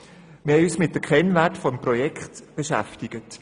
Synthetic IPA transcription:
mɪhɛysmɪt̚d̥əkʰɛnvætfɔmprɔjɛkχtb̥eʃæ̰ftɪɡət

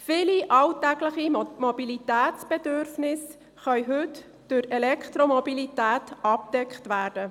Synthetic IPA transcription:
fɪliʔɑltɛɡləχimobilit̪æːtt͡sb̥ɛd̪øɾfnɪs | χœʏɦʉt | d̥ʊɾɛlɛkχt̪ɾomɔbilit̪æːt̪ɑp̚d̪̥ɛkχt̪ʋæːɾd̥ə

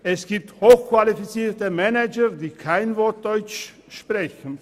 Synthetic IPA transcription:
ʔɛsɡ̥iːp̚thoːxkv̥alifit͡siːɐtəmɛnɛd͡ʒɐdiːkʰaɪnvɔɐt̚d̥ɔʏt͡ʃ | ʃpʁ̥ɛçn̩

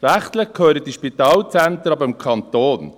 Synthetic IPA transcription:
ɾæχt̪ləχkʰøːɾətiʃpit̪ɑːlt͡sæntəɾɑbəmkʰɑnt̪oːn

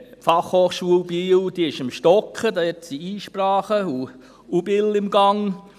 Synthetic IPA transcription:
pfɑχhoːχʃuəlbiːwd̥̪iɪʃɪmʃtɔkχədɑɛtsiiːʃprɑːχəu | ubɪlɪmɡɑŋ

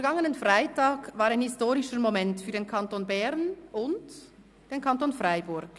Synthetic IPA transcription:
ɡaŋənənfʁaɪtaːkvaːɾʁaɪnhɪstoːʁɪʃəɾmomɛntfyːɐdeːnkʰantoːnbɛʁnʔʊnt | d̥eːnkʰantoːnfʁaɪbʊɐɡ̥

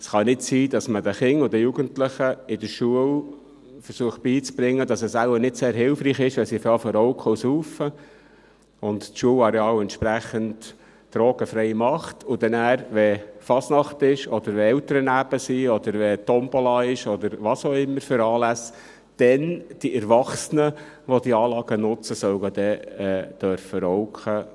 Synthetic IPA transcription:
sχɑnɪtsiːdɑsmədɛχɪŋʊd̥̪əjuɡəntləχəɪd̥̪əɾʃuəl | fəɾsuəχt̚b̥iːt͡sb̥ɾɪŋːədɑsəsælənɪtseːɾɦɪlfriːχɪʃʋɛsifɑːfɔɾɔʊkʰɔwsuːfə | ʊnttʃuəlɑɾɛɑːwɛnt̪ʃpɾæχənt | d̥ɾoːɡəfɾɛɪmɑχtʰʊd̥ɛnæːɾʋɛfɑsnɑχtɪʃɔd̥̪əɾʋɛɛltəɾənæb̥əsiɔd̪əɾʋɛt̪ɔmbolɑːɪʃɔd̪əɾʋɑsoːɪmːəɾfʏɾɑːlæs | d̥ɛnd̥iʔɛɾʋɑχsənə | ʋɔd̪iɑːlɑːɡənʊt͡səsœwɡəd̪ɛɛːd̪̥œɾfəɾɔʊkχə

